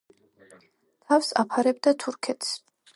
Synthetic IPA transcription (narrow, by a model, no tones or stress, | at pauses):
t̪ʰafsa̰pʰaɾɛbd̪at̪ʰuɾkʰɛt̪ʰs